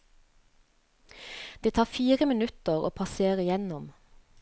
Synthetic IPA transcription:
d̪̥eːt̪ʰɑːfiːʁəmɪnʉt̪əʁo̰ːpʰɑseːʁəɪjɛnɔm

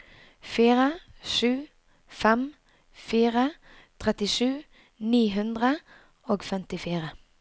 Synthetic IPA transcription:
fiːʁəʃʉː | fɛm | fiːʁə | t̪ʰʁɛt̪ɪʂʉː | niːɦʉnd̪ʁə | oːɡfɛmt̪ɪfiːʁə

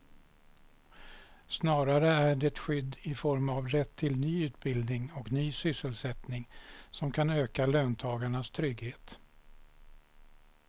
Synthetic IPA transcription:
snɑːɾaɾəæɖɛɛt̪ɧʏd̪ːɪfɔɾmavɾɛt̪ʰːɪlnyːʉ̟ːt̪bɪld̪nɪŋɔknyːsʏsːəlsɛt̪nɪŋsɔmkʰanøːkaløːnt̪ʰɑːɡaɳast̪ʰɾʏɡheːt̪

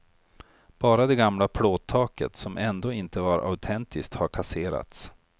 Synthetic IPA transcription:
b̥ɑːɾad̪ɛɡamlapʰloːt̪t̪ʰːɑːkə̰t̪sɔmʔɛnd̪oːɪnt̪əvaɾʔa̰ʉt̪ʰɛnt̪ʰɪsk̚t̪haɾkʰaseːɾa̰t̪s

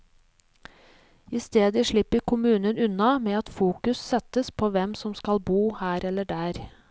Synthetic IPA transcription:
ɪst̪eːd̪əʂɭɪpːəɾkʰʊmʉːnənʉnɑmeːɑt̪fuːkʉssɛt̪əspʰoːʋɛmsɔmskɑlbuːhæːɾɛlːəɖæːɾ

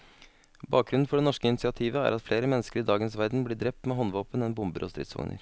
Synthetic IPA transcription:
bɑːk̚ɡɾʉnn̩fɔɖɛnɔʂkəɪnsɪɑt̪ʰiːʋəæ̰ɾɑt̪fleːɾəmɛnːəskəɾɪd̪ɑːɡənsʋæɾd̪n̩bliːɖɾɛp̚t̪meːɦɔnʋoːpənɛnbʊmbə̰ɾʔɔst̪ɾɪ̰ːt̪sʋɑ̰ŋnə̰ɾ

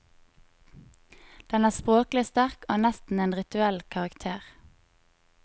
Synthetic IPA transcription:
d̪̥ɛnæːʁspʁoːklɪst̪æʁkoːnɛst̪n̩eːnʁɪt̪ʉɛlkʰɑʁɑkt̪ʰeːʁ

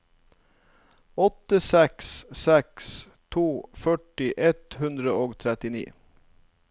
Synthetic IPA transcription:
ɔt̪əsɛkssɛks | t̪ʰuːfœʈɪʔɛt̪hʉnd̪ɾəoːɡt̪ʰɾɛt̪ɪnḭː

